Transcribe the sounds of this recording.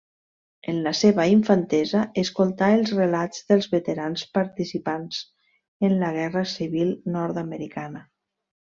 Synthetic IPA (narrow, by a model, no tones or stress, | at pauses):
ənləseβaiɱfant̪ɛzaeskolˠt̪aəlˠzrelazðəlˠzβət̪eɾanspaɾt̪isipanz̥ | ənləɣ̞ɛrəsiβilnɔɾt̪aməɾikanə